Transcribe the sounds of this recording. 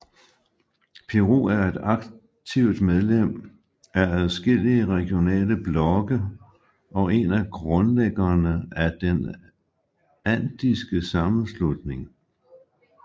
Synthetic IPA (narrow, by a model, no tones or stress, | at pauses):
pʰeʁo̝̰ːæɐe̝d̥ɑ̈ɡ̥ | t͡sʰiʊd̥með̞ˠlem̰ | æɐæðˠsɡ̥e̝l̰iəʁɛɡ̥jo̝nɛ̰ːləb̥lɒ̽ɡ̥ə | ʔɒ̽e̝næɡ̥ʁɔ̽nleɡ̥ɐːnəæd̥en | æn̰d̥isɡ̥əsɑ̈mn̩slud̥ne̝ŋ